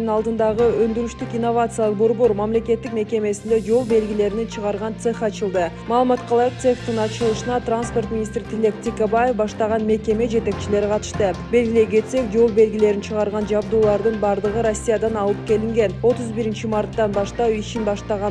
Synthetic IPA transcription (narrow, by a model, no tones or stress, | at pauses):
nɑlˠd̪ɯnd̪ɑʁəø̞nd̪yɾyʃt̪ykinːo̞vat̪sɨalˠqbo̞ɾbo̞ɾmamle̞ke̞t̪ːikme̞ke̞me̞sind̪e̞d͡ʒo̞lˠbe̞lɡʲile̞ɾinet͡ʃʰɯʁɑɾʁɑnt̪seχɑt͡ʃɯlˠd̪ɯmɑːlˠɯmɑt̪qʰɑlˠɑjɯq̚t̪seχt̪inɑt͡ʃɯlˠɯʃɯnɑt̪ranspo̞rt̪minʲist̪ɾit̪ʰile̞k̚t̪ʲikebaje̞fbɑʃt̪ɑʁɑnme̞kʲe̞me̞d͡ʒe̞t̪e̞k̚t͡ʃile̞ɾiqʰɑt̪ɯ̥ʃt̪ɯbe̞lɡʲile̞ɡe̞t̪se̞kd͡ʒo̞lˠbe̞lɡʲile̞ɾint͡ʃʰɯʁɑɾʁɑnd͡ʒɑbd̪uːlˠɑɾd̪ɯnbɑɾd̪ɯʁɯɾo̞sʲːijad̪ɑnɑlˠɯp̚ke̞liŋɡe̞no̞t̪uzbiɾint͡ʃimart̪ːɑnbɑʃt̪ɑwiʃinbɑʃt̪ɑʁɑ